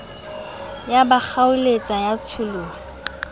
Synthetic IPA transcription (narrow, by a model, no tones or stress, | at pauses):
jabak͡xaʊlet͡sʼajat͡sʰʊluːa